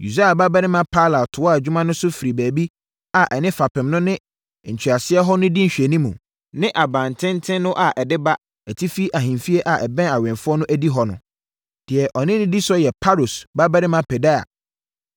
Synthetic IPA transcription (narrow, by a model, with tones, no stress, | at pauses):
ju˨sa˦a˨ba˦bɛ˦ɾɪ˦mã˦pʰa˦la˨tʰʊ˨wd͡ʑᶣu˦mã˦nʊ̃˦sʊ˦fi˨ɾi˨bæː˨bi˦ | a˨ʔɛ˨nɪ̃˦fa˨pʰɪ̃˨mnʊ̃˦nɪ̃˦˨ | ɲ̩˨t͡ɕʰᶣi˨a˨sɪ˦ɛ˦ɦɔ˦nʊ̃˦di˦ɲ̩˨ɕᶣɛ˨nĩ˦mũ˨ | nɪ̃˦ʔa˨bã˨ntʰɪ̃˦n˦tʰɪ̃˦nːʊ̃˦ʔa˨ʔɛ˨dɪ˦ba˦ | æ˨tʰi˦fi˦ʔa˨ɦĩ˨fi˦e˦ʔa˨ʔɛ˨bɛ̃˦a˨wɛ̃˨nfʊ˦ɔ˦nʊ̃˦ʔæ˦di˦ɦɔ˨nʊ̰̃˨ | d̥ɪ˨ɛ˨ʔɔ˨nɪ̃˦nɪ̃˦di˦sɔ˦jɛ˨pʰa˦ɾo˨sba˦bɛ˦ɾɪ̃˦mã˨pʰɛ˨da˦a̰˨